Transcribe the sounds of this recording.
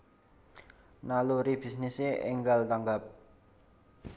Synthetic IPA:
naloɾibisneseʔḛŋɡald̪aŋɡap̚

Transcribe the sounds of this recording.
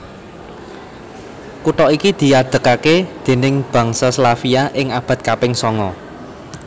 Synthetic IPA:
kuʈɔikid̪̥i̤ad̪̥ə̤kaked̪̥e̤nɪŋb̥ä̤ŋsaslafiaʔɪŋab̥ä̤t̪̚kapɪŋsɔŋɔ

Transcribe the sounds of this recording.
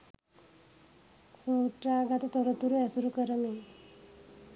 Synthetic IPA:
sotɾaɡat̪at̪ɔɾɔt̪uɾuɛsuɾukəɾəni

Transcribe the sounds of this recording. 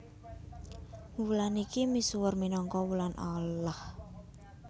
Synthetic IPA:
wulanikimisuwərminɔŋkɔwulanʔalah

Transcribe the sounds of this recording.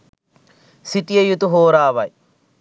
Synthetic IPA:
siʈijɐjut̪uɦoːɾaːʋɐj

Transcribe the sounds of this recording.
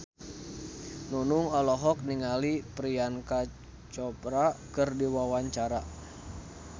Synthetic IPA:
nunuŋɔlɔɦɔk̚niŋalipɾianka | t͡ʃɔpɾakɨrdiwawaɲt͡ʃaɾa

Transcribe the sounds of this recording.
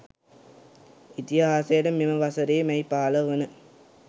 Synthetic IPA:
it̪iɦaːsɐjɐɽɐmːimɐʋɐsɐɾeːmɐjpaːlɐʋɯnɯ

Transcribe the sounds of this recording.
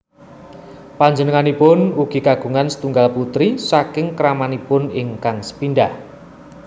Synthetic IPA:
paɲd͡ʒənəŋanipʊnuɡ̥iɡaɡ̥uŋansə̥t̪uŋɡalput̪ɾisakɪŋkəɾamanipʊnɪŋkaŋsə̥pinɖah

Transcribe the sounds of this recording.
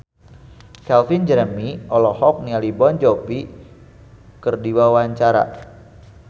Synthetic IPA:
kɛlfind͡ʒəɾəmiɔlɔhɔk̚nialibɔnd͡ʒɔpi | kərdiwawaɲt͡ʃaɾa̰

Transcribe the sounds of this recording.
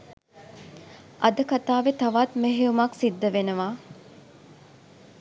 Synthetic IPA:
ɐd̪əkat̪aːʋet̪ɐʋat̪meɦeumɐksid̪ːəʋenəʋaː

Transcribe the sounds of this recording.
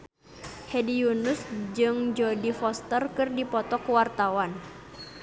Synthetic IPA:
hɛdijunusd͡ʒɨŋd͡ʒɔdifɔst̪ərkɨrdipɔt̪ɔkuwart̪awan

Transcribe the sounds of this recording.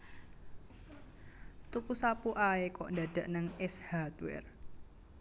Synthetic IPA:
t̪upusapuʔaekɔʔndada̤ʔnəŋɛshat̪wɛ̰r

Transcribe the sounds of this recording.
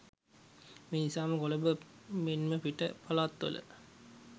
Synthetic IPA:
menisaːməkoləbəmenməpiʈə̰palaːt̪ːə̰lə̰

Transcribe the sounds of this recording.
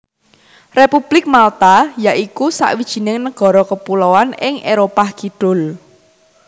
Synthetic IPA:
repub̥lɪk̚malt̪ajaʔikusa̰ʔwid̥ʒ̥i̤nɪŋnəɡ̥ɔ̤ɾɔkəpulɔwanɪŋʔeɾopaɡ̥iɖ̥ʊ̤l

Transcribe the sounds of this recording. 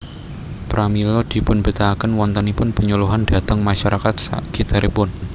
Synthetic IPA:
pɾamilɔd̪̥i̤pʊnbit̪akənwɔnt̪ənipʊnpəɲuluɦand̥a̤t̪əŋmaʃaɾʔakat̪̚sa̰ɡ̥it̪aɾʔepʊn

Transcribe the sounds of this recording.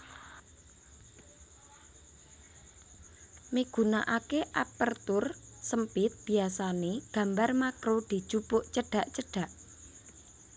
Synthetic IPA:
miɡ̥ṳnaʔakeʔapərt̪ʊrsəmpɪt̪̚b̥i̤asaneɡ̥a̤mbarmakɾod̪̥i̤d̥ʒ̥upʊʔt͡ʃəɖ̥a̤ʔt͡ʃəɖ̥ä̤ʔ

